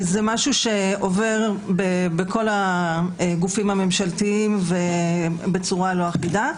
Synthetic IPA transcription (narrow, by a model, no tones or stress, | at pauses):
zemaʃuʃe̞o̞ve̞ʁbebeko̞la | ɡufimhame̞mʃaltiimvebet͡suʁaloaχbida